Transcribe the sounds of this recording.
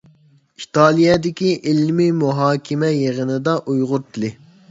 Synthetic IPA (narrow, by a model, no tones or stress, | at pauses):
it̪ʰɑːlˠijɛd̪ɪkʲiʔilmimuɦɑːkʲʰɪmɛjeʁənɨd̪ɑʔujʁʊɾt̪ʰɨlˠɪ